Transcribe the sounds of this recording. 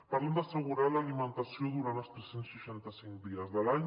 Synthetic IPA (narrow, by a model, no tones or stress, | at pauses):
paɾlend̪asəɣ̞uɾaləalimə̃nt̪asioðuɾant̪əlˠst̪ɾesensʃəʃant̪əsiŋkd̪iəzðəlaɲ